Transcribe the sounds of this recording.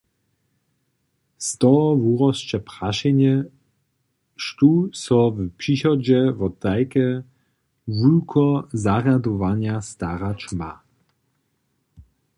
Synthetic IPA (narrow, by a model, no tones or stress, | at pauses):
st̪ɔvuʁɔst͡ʃɛpʁaʃɛɲɛ | ʃt̪usɔvpʂixɔd͡ʑɛvɔd̪ajkɛ | vulkʰɔzaʁad̪ɔvaɲjast̪aɾat͡ʃma